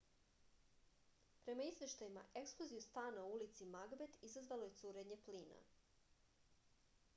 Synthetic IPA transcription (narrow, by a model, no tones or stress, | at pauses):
pɾe̞maizʋʲje̞ʃt̪ajima̰ʔekskloziust̪aːnaoulit̪simaɡbe̞t̪izazʋaloje̞t̪suɾe̞ɲe̞pliːna̰